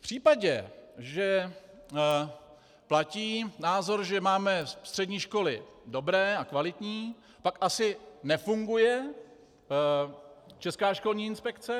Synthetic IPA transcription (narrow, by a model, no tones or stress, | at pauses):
fpr̝̥iːpaɟɛʒɛ | placiːnaːzo̞ɾʒɛmaːmɛst̪r̝̥ɛdɲiːʃko̞lɪdo̞bɾɛːakvalɪt̪ɲiː | pakʔasɪnɛfuŋɡujɛ | t͡ʃɛskaːʃko̞lɲiːɪnspɛkt͡sɛ